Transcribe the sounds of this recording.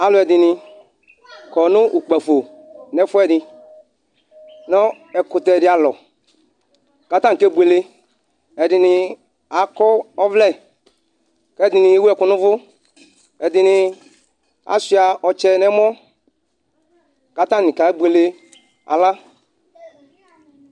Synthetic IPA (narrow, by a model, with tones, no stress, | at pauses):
a˨lʊ˨˦ɛ˨dɪ˨nɪ˧ | kɔ˨nʊ˦ʔu˨k͡pa˨fo˨ | nɛ˨˦fʊ˦ɛ˦˨dɪ˧ | nɔ˦ | ɛ˨kʊ˨tɛ˨ɛ˨dɪ˨a˨lɔ˨ | ka˨tã˦˨kɛ˦bu˨e˨le˦ | ɛ˨dɪ˨nɪ˨ | a˨˦kɔ˦ɔ˦vlɛ˦˨ | kɛ˦dɪ˨nɪ˨e˦wu˦ɛ˨kʊ˨nʊ˦vʊ˦ | ɛ˨dɪ˨nɪ˨ | a̰˨˦si˨˦a˨ɔ˨t͡ʃɛ˦nɛ˦mɔ˦ | ka˨ta˦˨nɪ̃˨ka˨˦bu˨e˨le˦ | a̰˨la˦